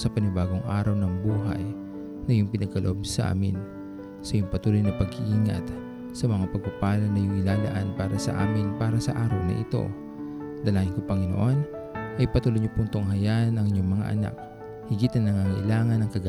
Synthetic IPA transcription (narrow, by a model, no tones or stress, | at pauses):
sɐpɐnɪbaːɡoŋʔaːɾɐwnɐŋbuːɦɐ̰j | nɐjʊŋpɪnɐɡ̚kɐloʔo̞b̚sɐʔa̰ːmɪn | sɐjʊŋpɐt̪uːlojnɐpɐɡhiʔiːŋɐ̰t̪ | sɐmɐŋapɐɡ̚papaːlɐŋnɐjʊŋɪlaːla̰ʔanpaːɾɐsɐ̰ʔa̰ːmɪnpaːɾɐsɐʔaːɾɐwnɐ̰ʔɪ̰t̪o̞̰ | d̪ɐlaːŋɪnkopɐŋɪno̰ʔo̞n | ʔɐjpɐt̪uːlojɲʊpunt̪oŋɦɐjaʔnɐŋɪɲoŋmɐŋa̰ʔɐ̰na̰k̚ | hɪɡit̪ɐnːɐŋaŋɐʔɪ̰laːŋɐnɐŋkɐɡa